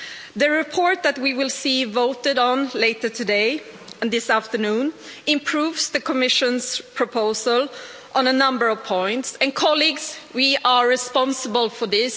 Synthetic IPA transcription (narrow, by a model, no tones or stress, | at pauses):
ðɨɹɪpʰɔɹt̪̚ðæt̚wiwɪlˠsivoʊtɨɾn̩leɪtə˞tʰɨdeɪə̃nðɪsæftənũːnɪ̃mpʰɹ̥uːvsðəkʰɔmɪʃɨ̃nspʰɹ̥ɔpʰoʊzəlˠ | ʔə̃nənʌ̃mbə˞ʌv̥pʰɔ̃ɪ̃ntsɨ̃nkʰɑliɡswiʔəɹɪspɑ̃nsəbəlˠfɔðɪs